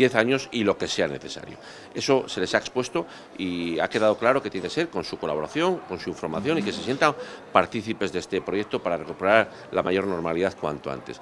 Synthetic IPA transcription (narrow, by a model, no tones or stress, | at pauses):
jeθaɲo̞silo̞ke̞se̞ane̞̰θe̞sa̰ɾjo̰ | e̞so̞se̞le̞saekspwe̞st̪o̞ | iake̞ðað̞o̞klaɾo̞ket̪jense̞ɾko̞nsuko̞la̰β̞o̞ɾaθjo̞ŋko̞nsuiɱfo̞ɾmaθjo̞nike̞se̞sje̞nt̪ampaɾt̪iθipe̞zðest̪e̞pɾoje̞k̚t̪o̞paɾare̞kupeɾaɾ | la̰ma̰ʝo̞ɾno̞ɾmaliðaðkwa̰nt̪o̞a̰nt̪e̞s